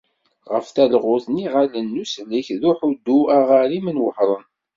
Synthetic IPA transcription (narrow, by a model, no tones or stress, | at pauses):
ʁə̰fθælʁʊθniʁalənːusliçðuħud̪ːuæʁaɾimənwə̰ħɾˤən